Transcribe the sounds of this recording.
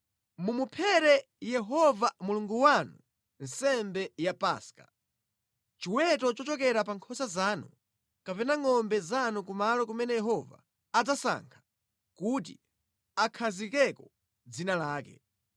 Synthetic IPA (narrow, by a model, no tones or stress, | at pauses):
mumupʰɛɾɛ | jɛɦɔvamuluŋɡuwanu | n̩sɛmbɛjapa̰ːskḁ | t͡ʃiwɛtɔt͡ʃɔt͡ʃɔkɛɾap̬aŋkʰɔsazaːnu | kapɛnaŋɔmbɛzanukumalɔk̬umɛnɛjɛɦɔva̰ː | d͡zasa̰ŋkʰḁ | kut̬ḭ | akʰazikɛkɔ | d͡zinalaːkɛ̰